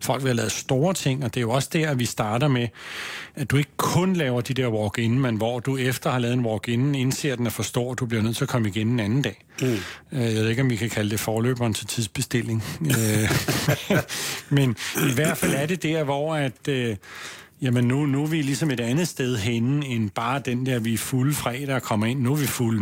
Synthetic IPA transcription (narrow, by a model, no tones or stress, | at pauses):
fɒ̽l̰ɡ̥ʋihɑ̈lɛ̰ːð̩sd̥o̝ːɐt͡sʰe̝ŋ̰ɒ̽d̥e̝æjo̝ɒ̽sd̥æɐæʋisd̥ɑ̈ːɾ̥ɐme | æd̥ue̝ɡ̥əkʰɔ̽nlɛːʊɐd̥id̥eɐwɒɡ̥e̝n̩menʋɒd̥uefd̥ɐhɑlɛːð̩ˠenwɒɡ̥e̝nn̩e̝nse̝ɐ̰d̥enæfɒ̽sd̥ɔ̰ːæd̥ub̥liɐøð̰ˠt͡sʰe̝ɐkʰɒ̽məiɡ̥ene̝nænn̩d̥ɛ̰ː | øjæʋeðˠe̝ɡ̥ɒ̽mʋikʰækʰæləd̥e̝fɒːlø̰ːb̥ɐnt͡sʰe̝t͡sʰiðˠsb̥e̝sd̥e̝l̰e̝ŋ | meniʋæɐ̰d̥fæl̰æɐɾe̝d̥æɐ̰ʋɒæd̥ø | jæmənːunuʋilisɒ̽me̝ɾænð̩ˠsd̥eð̞ˠɦen̩enb̥ɑ̈ːd̥end̥æɐʋifuləfʁɛ̰ːd̥ɐkʰɒ̽mɐe̝n̰ːuʋiful